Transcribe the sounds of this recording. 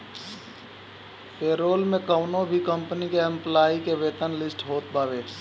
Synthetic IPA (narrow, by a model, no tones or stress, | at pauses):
peːɾoːlmẽkəʊnõbʱikə̃mpənikeə̃mplaːikeʋeːt̪ənlɪsʈɦoːt̪̚paːʋeː